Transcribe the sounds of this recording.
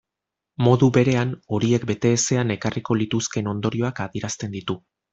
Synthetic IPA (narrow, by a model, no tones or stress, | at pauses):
mo̞ðuβe̞ɾe̞ano̞ɾie̞kbe̞t̪e̞ːse̞ane̞kariko̞lit̪uske̞no̞nd̪o̞ɾio̞akaðiɾast̪e̞nd̪it̪u